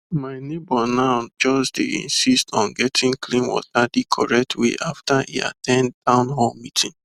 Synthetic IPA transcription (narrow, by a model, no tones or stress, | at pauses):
maɪnebɔnad͡ʒɔsdḛḭ̃nsistɔ̃nɡɛtʰĩŋklĩmwɔ̰zadikʰɔɹɛk̚tʰwḛʔaftaḭa̰tʰɛ̃nddãʊ̃nɦɔ̃mitʰĩŋ